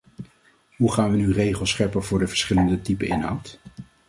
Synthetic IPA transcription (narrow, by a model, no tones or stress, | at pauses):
ɦuχaːnʋənyrejχəlˠsχɛɹpəvʊːɹdəvəɹsχɪləndətipənɪnɦʌ̰wt